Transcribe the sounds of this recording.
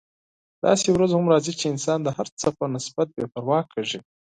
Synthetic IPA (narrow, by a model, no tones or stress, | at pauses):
d̪̥ɑ̰sewɾazhamɾɑzit͡ʃeɪnsɑnd̪əhaɾt͡sapanɪsbat̪̚bepaɾwɑkʰaʐi